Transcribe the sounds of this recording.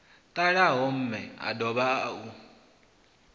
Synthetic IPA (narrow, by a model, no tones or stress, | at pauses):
tʼaɺaɦɔm̩mɛa̰dɔβaau